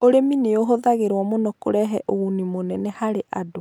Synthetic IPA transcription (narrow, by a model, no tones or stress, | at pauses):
oɾemineoɦoðaɣeɾwɔmonɔko̰ɾɛɦɛʔoɣunimonɛnɛhaɾeʔado